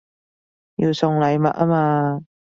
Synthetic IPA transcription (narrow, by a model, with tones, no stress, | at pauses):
jiː˨˧wsʊ˨˧ŋlɐ˨˧jmɐ̰˨t̚ʔaː˥maː˧